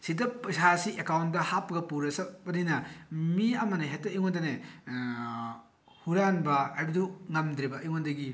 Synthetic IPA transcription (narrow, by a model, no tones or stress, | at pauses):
sidɐpɐsasiʔekawnt̚dɐhapɐɡɐpuɾɐsɐbɐninɐmiɐmɐnɐɦetːɐiŋondɐne | huɾanbɐːjbiduŋɐmd̪ɾibɐʔiŋondɐɡi